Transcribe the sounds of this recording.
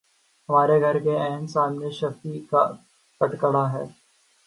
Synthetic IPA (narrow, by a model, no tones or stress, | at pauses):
ɦɐmaːɾeɡʱɐɾkeɛːnsaːmneʃɐk̚t̪ika̰ | kɐʈkəɽaɦɛ̰ː